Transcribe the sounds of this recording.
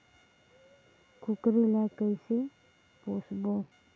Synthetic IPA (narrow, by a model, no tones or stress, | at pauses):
kʰukɾilakajse | pɔsbɔŋ